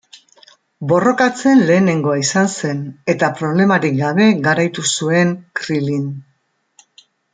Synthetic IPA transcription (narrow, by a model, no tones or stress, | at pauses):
bo̞ro̞kat͡se̞nle̞ːne̞ŋɡo̞aisanse̞ne̞t̪apɾo̞β̞le̞maɾik̚ɡaβ̞e̞ɡaɾajt̪usue̞ŋkɾilin